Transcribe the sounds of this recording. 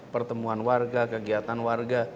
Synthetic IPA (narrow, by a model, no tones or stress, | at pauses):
pərt̪əmuanwarɡakəɡiat̪anwarɡa